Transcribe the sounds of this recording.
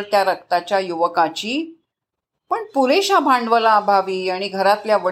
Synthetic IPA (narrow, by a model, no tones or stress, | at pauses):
ɾt̪jaɾək̚t̪at͡ɕjajuʋəkat͡ɕiː | pəɳpuɾeɕabʱãɳɖʋəlabʱaʋiːaɽ̃iɡʱəɾat̪ljaʋə